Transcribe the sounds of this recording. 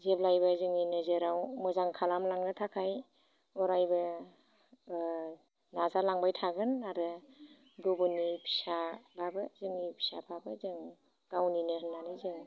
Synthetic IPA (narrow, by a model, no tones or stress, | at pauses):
zeblajbazɯŋninɯzɯɾawmɯzaŋkʰalamlaŋnɯtʰakʰaj | ɔɾajbɯ | nazalaŋbajtʰaɡɯnaɾɯ | dɔbunipʰi̥sababɯzɯŋnipʰi̥sabʰabɯzɯŋ | ɡ̥awninɯhɯnːanɯzɯŋ